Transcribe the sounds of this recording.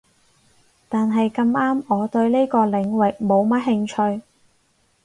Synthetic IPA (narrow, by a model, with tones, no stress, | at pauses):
t̪aː˨nɦɐ˨jkɐ˧maː˥mɔː˨˧t̪ɵ˧ɥne˥jkɔː˧lɪ˨˧˥ŋwɪ˨k̚mo˨˧wmɐ˥t̚ɦɪ˧ŋt͡ʃʰɵ˧ɥ